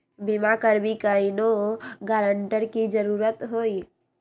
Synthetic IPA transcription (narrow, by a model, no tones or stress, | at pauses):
bimakəɾbikainoɡaːɾəɳʈəɾkid͡ʒəɾuːɾət̪ɦoːi